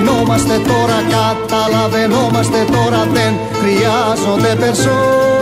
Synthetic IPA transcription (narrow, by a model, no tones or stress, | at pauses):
nomast̪et̪oɾakat̪alaðenomast̪et̪oɾat̪en | kɾiazod̪epeɾso